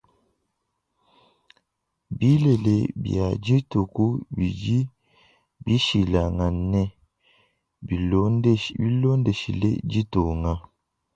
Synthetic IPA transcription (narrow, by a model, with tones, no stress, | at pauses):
bi˦le˨le˨bja˨d͡ʒi˦to˨ku˦bi˨d͡ʒi˦ | bi˦ʃi˨la˨ŋa˨nɛ˦ | bbi˦lo˦n˦de˨ʃḭ˨lḛ˦d͡ʒi˦to˨ŋa˦